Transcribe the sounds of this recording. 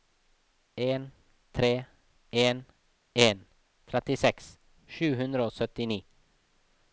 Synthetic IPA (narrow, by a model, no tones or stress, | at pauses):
en | t̪ʰɾeː | eːn | en | t̪ʰɾɛt̪ːɪsɛks | ʃʉ̟ːɦɵnd̪ɾaosœt̪ːɪniː